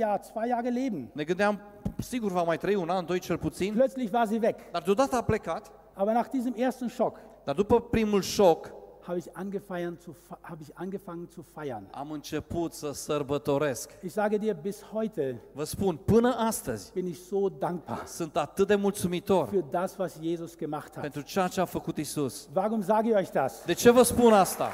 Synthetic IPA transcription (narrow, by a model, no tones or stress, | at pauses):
jaːt͡sv̥aɪjaːʁəleːbm̩ne̞ɡɨnd̪eam | siɡurvamajt̪ɾəiunand̪o̞jt͡ʃelput̪sinplœt͡slɪçvaːɐziːvɛkd̪ard̪eod̪at̪əaple̞kat̪ | ʔaːbɐnaːχd̥iːzəmʔeːɐstn̩ʃɔkd̪ard̪upəpɾimulʃokhaːbəɪçʔanɡəfaɪɐnt͡suhaːbəɪçʔanɡəfaŋənt͡sufaɪɐna̰mɨnt͡ʃe̞put̪səsərbət̪o̞ɾe̞skʔɪçz̥aːɡədiːɐbɪshɔʏtʰəvəspunpɨnəʔast̪əz̥ʲb̥ɪnɪçz̥oːdaŋk̚b̥a̰ːɐsɨnt̪at̪ɨt̪̚d̪e̞mult̪sumit̪o̞rfyːɐdasv̥asjeːzʊsɡ̥əmaχthapent̪ɾut͡ʃejat͡ʃeafəkut̪isusvaʁʊmzaːɡɪçɔʏçd̥asd̪e̞t͡ʃe̞vəspunast̪a̰